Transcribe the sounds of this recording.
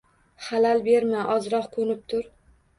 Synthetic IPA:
χalalbeɾmaʔɒzɾɒqkʰɵnɪp̚t̪ʰʊɾ

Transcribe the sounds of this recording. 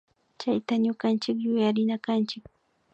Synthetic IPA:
t͡ʃajt̪aɲʊkant͡ʃɪkjʊjaɾɪnakant͡ʃɪk

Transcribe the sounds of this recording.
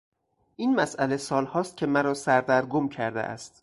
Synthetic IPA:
ʔiːnmæsæle̞sɒːlhɒːst̪̚cʰʲe̞mæɾɒːsæɾd̪æɾɡomcʰæɾd̪ḛʔæ̰st̪

